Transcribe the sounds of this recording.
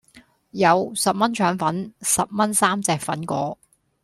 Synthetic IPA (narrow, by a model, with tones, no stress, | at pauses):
jɐ˨˧wsɐ˨p̚mɐ˥nt͡ʃʰœː˨˥ŋfɐ˨˥nsɐ˨p̚mɐ˥nsaː˥mt͡sɛː˧k̚fɐ˨˥nkʷɔː˨˥